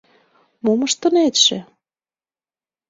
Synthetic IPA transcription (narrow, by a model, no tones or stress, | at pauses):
moməʃt̪ə̆net̪ʃĕ